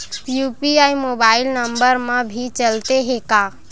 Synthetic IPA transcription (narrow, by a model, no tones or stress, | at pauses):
juːpiaimoːbaːɪlnə̃mbəɾmãbʱit͡ʃəlt̪eɦekaː